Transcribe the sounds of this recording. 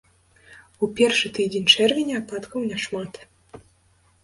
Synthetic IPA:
upʲɛrʂɨt̪ɨd͡zʲenʲt͡ʂɛrvʲɛnʲɛapat̪kɐwnʲɛʂmat̪

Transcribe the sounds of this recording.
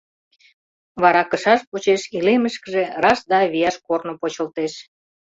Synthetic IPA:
βɑɾɑkəʃɑʃpot͡ɕeʃileməʃkəʒerɑsd̪ɑβijɑʃkornopot͡ɕəlt̪eʃ

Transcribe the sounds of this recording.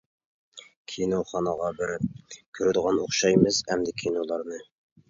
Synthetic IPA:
kʲʰinoχɑnəʁɑbɪɾ̚kʲʰøɾɪd̪ɨʁɑnoχʃɑjmɨzhɛmd̪ɪkʲʰinolˠɑɾnɨ

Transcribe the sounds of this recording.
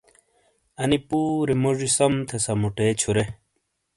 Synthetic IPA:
ɐnipuːɾemoʐisɐmt̪ʰesɐmuʈeːt͡ɕʰuɾe

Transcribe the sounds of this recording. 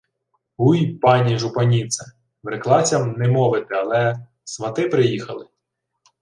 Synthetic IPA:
ujpɑnʲiʒʊpɐnʲit̪sɛ | ʋɾeklˠɑt͡sʲɐmnɛmɔʋɪt̪ɪɐlˠɛ | sʋɐt̪ɪpɾɪjixɐlˠɪ

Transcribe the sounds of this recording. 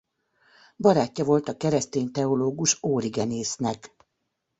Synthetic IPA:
bɒɾaːcːɒvo̞lt̪ɒkɛɾɛst̪eːnt̪ɛoloːɡuʃoːɾiɡɛneːsnɛk

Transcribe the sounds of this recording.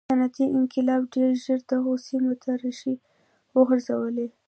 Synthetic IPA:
anat̪iʔɪnkɪlɑbɖeɾʒəɾd̪aɣosimot̪ʰaɾaʃi | wəɣəɾzawəle

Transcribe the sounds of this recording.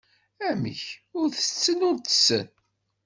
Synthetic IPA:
æmḭçʊɾθə̥t͡sːənʊɾt̪ə̥sːə̰n

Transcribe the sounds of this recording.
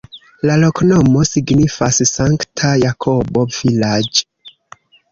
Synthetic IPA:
lalo̞knomo̞siɡnifassaŋktʰajakʰo̞bo̞vilad͡ʒe

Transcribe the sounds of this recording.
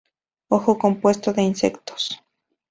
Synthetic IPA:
oxokompwest̪oðeinsḛkt̪o̥s

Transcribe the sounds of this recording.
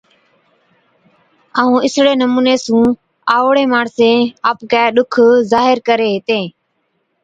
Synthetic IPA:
aːũːɪsɽeːnəmuːneːsũː | aːoɽeːmaːɳsẽːaːpkɛːɗʊkʰzaːɦɪɾkəɾeːɦɪt̪ẽː

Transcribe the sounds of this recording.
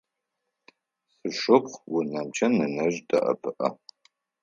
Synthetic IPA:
sɨʂɨpʷʰwʊnɐmt͡ʃʰɐnɨnɐʒdɐ̰ʔɐ̰pʰɨʔɐ̰

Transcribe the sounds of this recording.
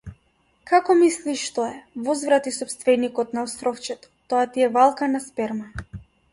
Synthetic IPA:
kakɔmisliʃːt̪ɔɛvɔzvɾat̪isɔpst̪vɛnikɔt̪naɔst̪ɾɔft͡ʃɛt̪ɔ̥t̪ɔat̪iɛvalˠkanaspɛɾma

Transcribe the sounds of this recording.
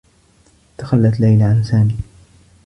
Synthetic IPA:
t̪axalːat̪lajlaʕanθaːmiː

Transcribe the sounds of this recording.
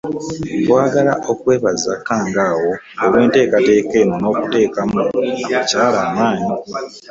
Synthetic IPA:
bwaːɡalaʔo̞kwe̞ːβazːa̰kːaːŋɡaːwo̞ | oβwe̞ːnte̞ːkate̞ːke̞ːnono̞ːkute̞ːkamuaacaːlaːmaːɲi

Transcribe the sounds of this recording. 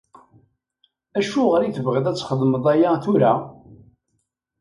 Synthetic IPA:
æʃuʁəɾiθəvʁɪðæt͡sːχəðˤməðˤæjaθuɾæ

